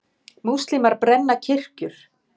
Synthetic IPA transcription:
muwst̪limaɾpɾɛnːacʰɪr̥cʏɾ̥

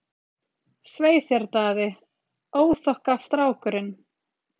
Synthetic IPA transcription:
sveːjθjɛɾt̪aːðɪ | oːwθɔhkast̪ɾaːwkʏɾɪn

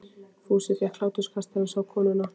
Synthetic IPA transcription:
fuːsɪθjɛhkʰlaːwt̪ʏskʰast̪aɾʏsawkʰɔːnʏna

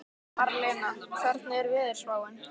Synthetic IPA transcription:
aɾlɛːnakʰaɾ̥t̪nɪɛɾvɪːðɪɾ̥svaːwɛn

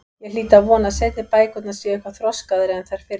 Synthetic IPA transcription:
jɛɣliːt̪avɔːnasɛt̪nɪpaːjkʏt̪nasviɛjhkvaθɾɔskaðɾɪɛnθaɾ̥fɪːɾ

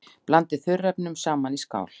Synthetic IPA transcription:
plant̪ɪðθʏɾːɛpnʏmsaːmaniska̰ːwl̥

